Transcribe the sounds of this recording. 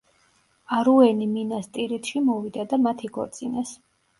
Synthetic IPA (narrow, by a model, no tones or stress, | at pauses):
aɾuɛniminast̪ʼiɾit̪ʰʃimɔvid̪ad̪amat̪ʰiɡɔ̰ɾt̪sʼinas